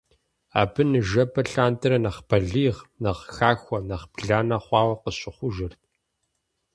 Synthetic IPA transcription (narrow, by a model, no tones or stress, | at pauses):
a̰ːbɨnɨʒɐbʰɐɬaːntʰɨɾɐnɐχpʰɐɮiːʁnɐʁxaːxʷɔnɐχpɮaːnɐχʷɑːwɐqəɕʼɪχʷʊʒɪrtʰ